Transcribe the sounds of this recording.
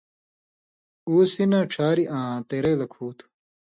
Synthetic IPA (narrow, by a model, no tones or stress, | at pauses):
uːsinãːʈ͡ʂʰaːɾiʔãːt̪eːɾelɐkʰuːt̪ʰu̥